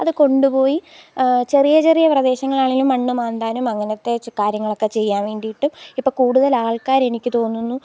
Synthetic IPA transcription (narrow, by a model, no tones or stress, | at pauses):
ɐðɨko̞ɳɖupo̞ːjit͡ɕe̞rijɐt͡ɕe̞rijɐprɐd̪e̞ːɕɐŋːɐɭaːɭilumːɐɳːumaːnd̪aːnumɐŋːɐnɐt̪ːe̞kaːɾjɐŋːɐɭo̞kːe̞t͡ɕe̞jːaːnʋe̞ːɳɖijiʈːumipːo̞ːɭkuːɽuðɐlaːɭkaːɾe̞nikʲːɨt̪o̞ːnːunːu